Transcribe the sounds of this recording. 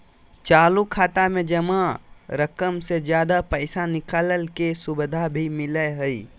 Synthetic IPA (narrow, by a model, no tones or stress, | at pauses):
t͡ʃaːlukʰaːt̪amẽd͡ʒɐmãɾəkəmsed͡ʒjaːd̪apəɪsanɪkaːləlkesʊbd̪ʱabʱimɪləɦəi